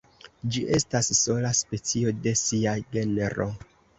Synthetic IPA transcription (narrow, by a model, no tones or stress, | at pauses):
d͡ʒiʔe̞stasːo̞laspe̞t͡sio̞de̞siaɡe̞neɾo̞